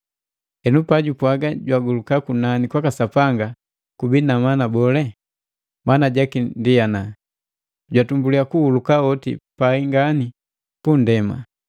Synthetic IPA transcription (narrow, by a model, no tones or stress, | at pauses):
ɛnupaɟupwaɡaɟwaɡulukakunanikwakasapaŋɡa | kubinamanabɔlɛ | manaɟakindiana | ɟwatumbuliakuhulukaɔtḭpaiŋɡani | pundɛma̰